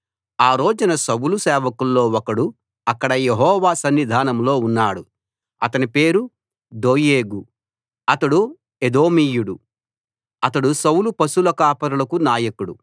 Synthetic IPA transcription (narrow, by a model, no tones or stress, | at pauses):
aːɾo̞ːd͡ʒɐnɐsɐwulusɛːʋɐkulːo̞ːwɔkɐɽu | ɐkːɐɽɐjeɦɔːʋaːsɐnːid̪ʱaːnɐmlo̞ːunːaːɽu | ɐt̪ɐnipe̞ːɾu | d̪oːjeːɡu | ɐt̪ɐɽu | ed̪o̞ːmiːjuɽu | ɐt̪ɐɽusɐwulupɐsulɐkaːpɐɾulɐkunaːjɐkuɽṵ